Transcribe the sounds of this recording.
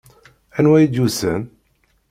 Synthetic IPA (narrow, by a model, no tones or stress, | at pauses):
ænwæjid̪usən